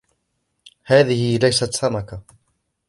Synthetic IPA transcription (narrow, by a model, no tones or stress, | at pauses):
haːðɪhɪlajsat̪samaka